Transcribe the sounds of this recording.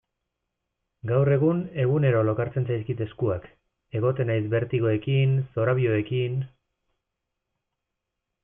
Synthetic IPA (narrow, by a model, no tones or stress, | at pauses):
ɡawre̞ɣ̞une̞ɣune̞ɾo̞lo̞kaɾt͡se̞nsajskit̪e̞skuak | e̞ɣ̞o̞t̪e̞najsbe̞ɾt̪iɣo̞e̞kinso̞ɾaβio̞e̞kin